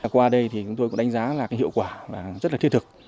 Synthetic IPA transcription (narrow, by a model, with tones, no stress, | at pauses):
kwaː˧ɗə˧jt̪ʰi˨˩t͡ɕʊ˨˦ŋ͡mt̪o˧kʊ̰˧˥ŋ͡mɗa˨˦ŋ̟zaː˨˦laː˨˩kaː˨˦jhḭ˧˨wkwaː˧˩vaː˨˩zə˦˥t̚laː˨˩i˧t̪ʰɨ˨˩k̚